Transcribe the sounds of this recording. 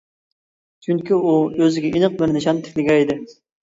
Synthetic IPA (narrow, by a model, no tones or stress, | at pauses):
t͡ʃʰyŋkʲiuøzɪɡʲɛinəq̚bɪɾnɨʃɑnt̪ʰɪ̥kʲlɪɡʲɛid̪ɪ